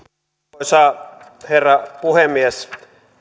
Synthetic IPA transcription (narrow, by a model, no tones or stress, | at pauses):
sɑː | herːɑpuhemːies